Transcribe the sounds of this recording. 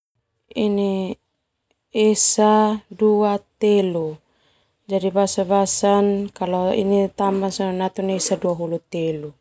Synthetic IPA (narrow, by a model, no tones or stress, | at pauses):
ini | esaduat̪elu | d͡ʒadibasabasankalɔḭnit̪ambasanat̪uneesaduaɦulut̪elu